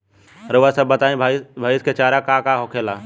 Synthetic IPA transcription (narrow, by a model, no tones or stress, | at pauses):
ɾoasɐbːət̪aːẽbʱabʱaːjisket͡ʃaːɾakakaɦokʰela